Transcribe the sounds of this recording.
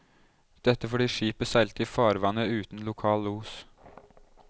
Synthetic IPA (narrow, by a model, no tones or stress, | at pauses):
d̪̥ɛt̪ːəfɔɖiːʂiːpəsæɪlt̪iːfɑːɾʋɑnəʉːt̪n̩lʊkʰɑːluːs